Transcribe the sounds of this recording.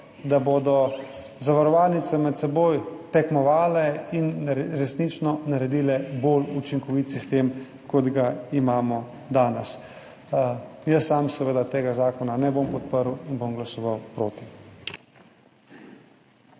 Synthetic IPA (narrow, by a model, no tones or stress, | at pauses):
d̪aboːd̪ɔ | zaʋaɾɔʋaːlnit̪sɛmɛt̪sɛboːjt̪ɛkmɔʋaːlɛinɾɛsnit͡ʃnɔnaɾɛd̪iːlɛbolut͡ʃiŋkɔʋit̪sist̪eːm | kɔd̪ɡaimaːmɔ | d̪aːnɛs | jəsːaːmsɛʋed̪at̪eːɡazaːkɔnanɛbompɔt̪̚pəɾwinbomɡlasɔʋawpɾoːt̪i